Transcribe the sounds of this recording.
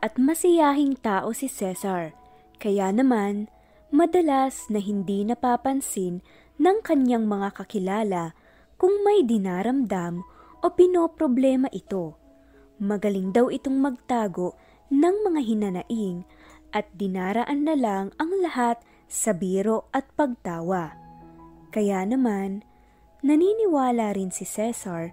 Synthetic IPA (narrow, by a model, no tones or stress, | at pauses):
ʔɐt̪̚mɐsɪjaːɦɪŋt̪aːʔo̞sɪsɛsɐɹ | kɐjanɐman | mɐd̪ɐlasnɐɦɪnd̪inɐpaːpɐnsɪnː | ɐŋkɐɲaŋmɐŋakɐkɪlaːlɐ | kʊŋmɐjd̪ɪnaːɾɐmd̪amʔo̞pɪno̞ːpɾoblɛːmɐʔɪt̪o̞ | mɐɡɐlɪŋd̪ɐwɪt̪o̞ŋmɐɡ̚t̪aːɡo̞ʔ | nɐŋmɐŋaɦɪnɐnɐʔiŋ | ʔɐt̪̚d̪ɪnaːɾɐʔanːɐlaŋɐŋlɐhat̪̚ | sɐbiːɾo̞ʔɐt̪̚pɐɡ̚t̪aːwɐ | kɐjanɐmanː | ɐniːnɪwaːlaɾɪnsɪsɛsɐɹ